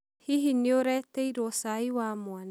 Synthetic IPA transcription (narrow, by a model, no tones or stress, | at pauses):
hiɦinioɾet̪ejɾosajwamoan